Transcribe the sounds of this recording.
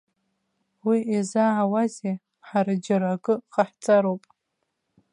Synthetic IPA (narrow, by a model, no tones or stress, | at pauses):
wiʔezaʕawaze | ħaɾad͡ʒaɾaɡʼɨqaħt͡sʼaɾowpʼ